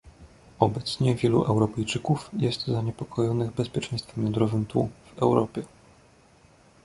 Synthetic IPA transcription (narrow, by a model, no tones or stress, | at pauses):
ɔbɛt̪sɲɛvʲjɛlṵʔɛwɾɔpɛjt͡ʂɘkufjɛst̪zaɲɛpɔkʰɔjɔnɘɣbɛspʲjɛt͡ʂɛ̃j̃st̪fɛmjɔnd̪ɾɔvɘmt̪ṵvɛ̰wɾɔpʲjɛ